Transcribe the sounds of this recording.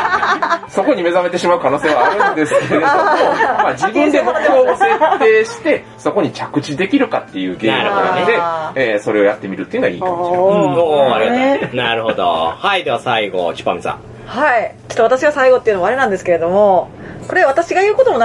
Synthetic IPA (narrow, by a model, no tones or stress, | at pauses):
soko̞ɲime̞zame̞t̪e̞ɕimaɯ̟kano̞ːseβaaɾɯnd̪e̞sɨ̥keɾed̪omad͡ʑibɯ̟̃nd̪emod̪ooseːt̪eːɕi̥t̪e̞ | so̞ko̞ɲ̟it͡ɕakɯ̟t͡ɕid̪e̞kʲiɾɯ̟kat̪ːe̞jɯ̟ːɡenaɾɯod̪od̪eeːso̞ɾe̞o̞jat̪ːe̞mʲiɾɯ̟t̪ːeiɯnɡaḭːkkamot͡ɕioaɾiɡaanaɾɯ̟ɦd̪o̰haid̪e̞βasaiɡo̰t͡ɕi̥pːa̰misã̰ | hait͡ɕo̥t̪ːoat̪aɕiβasaiɡo̞t̪ːeiɯ̟nomaɾenãnd̪esɨ̥keɾe̞d̪o̞mo̞ | ko̞ɾe̞βat̪aɕiɡajɯ̟ːko̞t̪o̞mon